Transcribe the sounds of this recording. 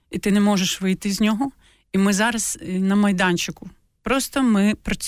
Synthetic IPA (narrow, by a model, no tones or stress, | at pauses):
it̪ɪnɛmɔʒeʃʋɪjt̪ɪzʲnʲɔɦɔ | imɪzɑɾɐznɐmɐjd̪ɑnʲt͡ʃɪkʊ | pɾɔst̪ɔmɪpɾɐt͡sʲ